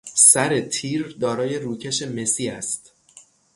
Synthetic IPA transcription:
sæɾe̞t̪ʰiːɾd̪ɒːɾɒːje̞ɾuːcʰeʃe̞me̞siːæst̪

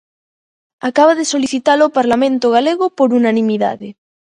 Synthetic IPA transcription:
akaβaðesoliθit̪alopaɾlamẽnt̪oɣ̞aleɣopoɾunanĩmiða̰ðe

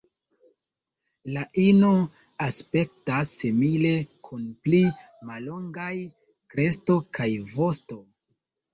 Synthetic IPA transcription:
laʔino | aspe̞k̚tasːimile̞kʰunpli | malo̞ŋɡaj | kɾe̞sto̞kʰajvo̞sto̞

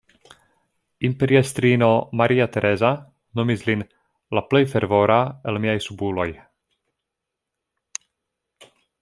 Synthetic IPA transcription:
impeɾiest̪ɾino̞maɾʔiat̪eɾʔeza | no̞mislin | laple̞jfeɾvo̞ɾaelmiajsubulo̞j

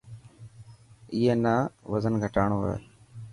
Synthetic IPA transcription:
ɪːeːnaːʋəzənɡʱəʈaːɳoːə̰

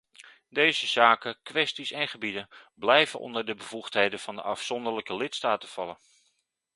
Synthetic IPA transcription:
dejzəz̥aːkəkʋɛstisɛnχəbidənblɛjvənʔɔ̰ndəɹdəbəv̥uχtɦejdənv̥ɑndəʔɑfsɔndəɹləkəlɪtstaːtəv̥ɑlən

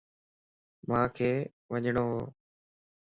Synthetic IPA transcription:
mãːkʰeː | ʋəɲɳ̃oːɦoː

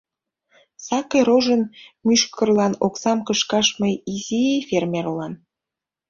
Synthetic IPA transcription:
sɑkeɾoʒənmyʃkərlɑnoksɑmkəʃkɑʃməjiziefʲermʲerlɑn

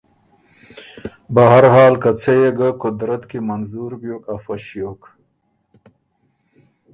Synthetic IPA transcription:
bɐɦɐɾɦaːlkɐt͡sʰejeɡɐkud̪ɾɐt̪kimɐnzuɾbjokɐfɐɕijok

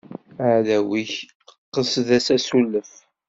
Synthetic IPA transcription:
əʕðæwiç | qːəsðæsæsulːəf

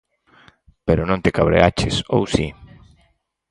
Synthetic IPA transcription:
peɾonõnt̪ekaβɾḛat͡ʃɪsowsi

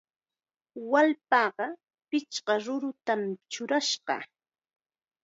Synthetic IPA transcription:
walpɑːɢɑ | pɪt͡ʃɢɑɾʊɾʊt̪amt͡ʃʊɾaʃɢɑ̰

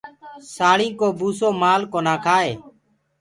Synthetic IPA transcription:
saːɭĩːkoːbuːsoːmaːlkoːnaːkʰaːeː

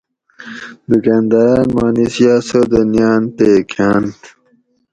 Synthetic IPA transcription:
d̪ukãːnd̪aːnmaːnisjaːsod̪ənjaːnt̪eːkʰaːnt̪

